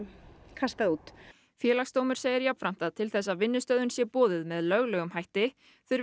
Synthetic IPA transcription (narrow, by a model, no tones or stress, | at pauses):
kʰast̪aðuːt̪ | fjɛːlaxst̪oːwmʏɾ̥seːjɪɾjapfɾam̥t̪aðt̪ʰɪlθɛsːaðvɪnːʏst̪œðʏnsjɛpɔːðɪðmɛðlœɣlɛːɣʏmhajht̪ɪ | θʏɾ